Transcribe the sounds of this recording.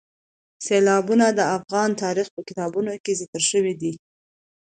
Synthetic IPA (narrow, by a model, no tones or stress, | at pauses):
selɑbunad̪əafɣɑnt̪ɑɾixpəkɪt̪ɑbunokezikəlʃəwid̪i